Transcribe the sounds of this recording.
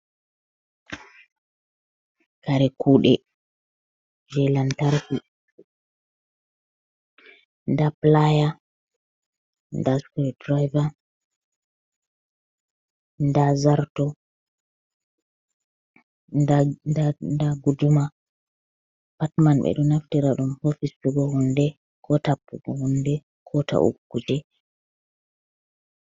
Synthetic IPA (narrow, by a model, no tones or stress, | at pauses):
kaɾɛkʰuːɗɛ̰ | d͡ʒɛlantaɾfi | ndaplaja | ndaskɛdɾajva | ndazaɾtɔ | ndaɡuduma | patmanɓɛ̰ɗunaftɛɾaɗumhofispuɡɔhundɛ | kʰɔtapːuɡɔhundɛ | kʰɔta̰ʔṵkːud͡ʒɛ